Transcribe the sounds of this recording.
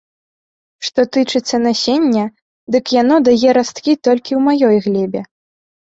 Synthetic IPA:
ʂt̪ɔt̪ɨt͡ʂɨt̪sːɐnasʲenʲːɐ | d̪ɨkjan̪ɔd̪ajɛɾast̪kʲit̪ɔlʲkʲiwmajɔjɣlʲɛbʲɛ

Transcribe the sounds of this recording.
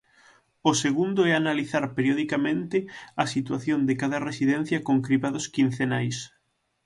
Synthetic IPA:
ʊseɣund̪ʊɛanaliθaɾpeɾjoðikamẽnt̪ɪɐsit̪waθjond̪ɪkaðɐresiðɛn̟θjɐkoŋkɾiβaðʊskin̟θenajs

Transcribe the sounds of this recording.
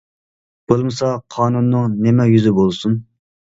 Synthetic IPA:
b̥olˠmɨsɑqʰɑːnunːɨŋnɪmɛjyzɪbolˠsun

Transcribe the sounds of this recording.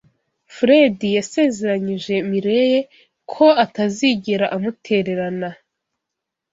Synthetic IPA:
fɾe̞dijase̞ːze̞ɾaɲiʒe̞miɾe̞je̞ | kʰo̞ataziɟiɾaʔamutʰe̞ɾe̞ɾana

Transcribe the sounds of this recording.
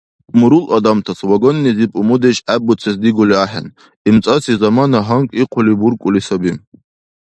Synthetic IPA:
muɾulʔad̪amt̪ʰaswaɡonːizipʼumud̪eʃæbut͡sʰesd̪iɡoliaħa̰n | imt͡sʼasizamanaɦaŋkʼiqʷʰʊlibuɾkʷʼʊlisabim

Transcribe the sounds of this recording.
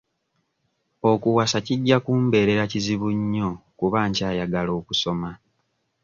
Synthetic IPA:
o̞kuwasaciɟːakuːmbe̞ːɾe̞ɾaciziβuɲːo̞kuβaːɲcaːjaɡalo̞ːkuso̞ma

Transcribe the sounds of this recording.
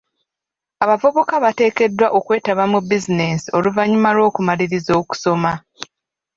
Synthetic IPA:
aβavoβokaβate̞ːke̞dːwaʔo̞kwe̞ːtaβamubizine̞sio̞luvaɲumaɾo̞ːkumaɾiɾizo̞ːku̥so̞ma

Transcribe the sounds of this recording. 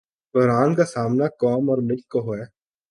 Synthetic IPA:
kɔɾaːnkasaːmnakɔːmɔːɾmɪlkːoɦoɛː

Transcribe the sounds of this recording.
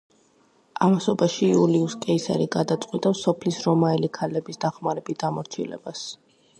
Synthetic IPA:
amasɔbaʃiuliuskʼɛisa̰ɾiɡad̪at̪sʼqʼwit̪ʼasɔpʰlisɾɔmaɛlikʰalɛbisd̪aχmaɾɛbisd̪amɔɾt͡ʃʰḭlɛ̰b̥as

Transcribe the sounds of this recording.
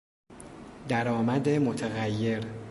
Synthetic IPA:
d̪æɾɒːmæd̪emot̪ʰeɣæjːe̞ɾ

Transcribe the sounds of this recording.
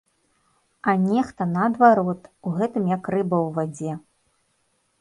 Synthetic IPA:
ɐnʲɛxt̪ɐnɐɐd̪vaɾɔt̪uɣɛt̪ɨmjakrɨbɐwvad͡zʲɛ

